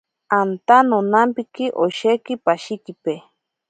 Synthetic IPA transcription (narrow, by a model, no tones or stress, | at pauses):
ant̪anonampikiʔoʃekipaʃik̪ipe